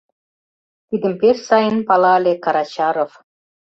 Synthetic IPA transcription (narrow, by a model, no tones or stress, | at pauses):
t̪id̪ə̆mpeʃsɑjənpɑlɑlʲekɑɾɑt͡ɕɑɾof